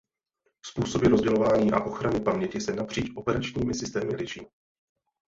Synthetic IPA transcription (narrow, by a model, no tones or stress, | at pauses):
spuːso̞bɪɾo̞zɟɛlo̞vaːɲiːʔa̰ʔo̞xɾanɪpamɲɛcɪsɛnapr̝̥iːt͡ʃʔo̞pɛɾat͡ʃɲiːmɪsɪst̪ɛːmɪlɪʃḭː